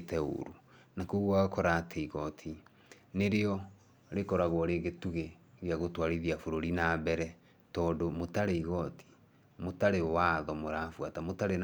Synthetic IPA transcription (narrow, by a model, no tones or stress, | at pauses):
tɛo̰ɾunakuɣwaɣokɔɾatʰeiɣɔtʰi | neɾeɔ | ɾekɔɾaɣwɔɾeɣetuɣeɣeaɣotwaɾiðiafoɾoɾinabɛɾɛ | tɔːdomotaɾeiɣɔtʰi̥ | motaɾewaðɔmoɾafwatamotaɾen